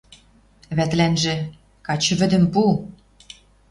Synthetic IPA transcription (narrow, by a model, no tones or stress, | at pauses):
βæt̪lænʒĕ | kɑt͡ɕə̆βɘ̆d̪ə̆mpul